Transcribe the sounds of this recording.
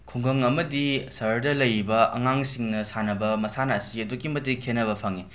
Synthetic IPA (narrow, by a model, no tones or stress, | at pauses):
kʰuŋɡɐŋɐmɐdisɐɾdɐlɐjibɐɐ̰ŋaŋsiŋnɐsanɐbɐmɐsanɐːsiɐdukimɐtikʰenɐβɐpʰaŋi